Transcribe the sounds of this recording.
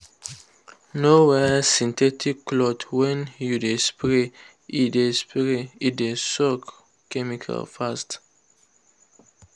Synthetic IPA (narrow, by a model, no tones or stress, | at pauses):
nowɛsĩnt̪ʰɛtʰikːlɔt̪ʰwɛ̃njudespɹe | idespɾeidesɔk | kʰɛmikʰa̰lfast